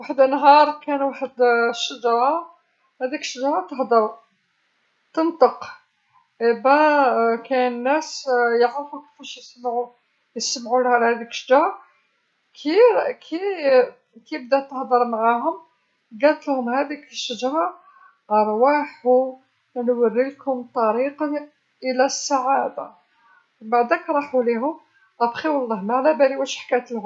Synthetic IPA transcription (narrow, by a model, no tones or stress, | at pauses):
waħəd̪ənɦɑɾˤkænwaħəd̪ʃːəd͡ʒɑɾɑ | hæd̪ikʃːəd͡ʒɑɾˤɑt̪əhd̪əɾ | t̪ənt̪ˤəq | ʔæbækæənːæsjəʕɾfuki̥fæʃjəsmʕu | jəsəmʕulhæɾhæd̪ikʃəd͡ʒɾˤɑ | kʰikʰi | kibd̪æt̪ːəhd̪ˤəɾˤmʕaɦʊm | ɡælt̪lhʊmhæd̪ikəʃəd͡ʒɾˤɑ | ʔɑɾˤwaħu | nwərːilkʊmt̪ˤːɑɾiqɑ | ʔəlæsːaʕad̪a̰ | baʕd̪ækɾˤɑħuliɦʊm | ʔæbqiwɑlˤːɑhmaʕlæbæliwæʃħkæt̪lhʊm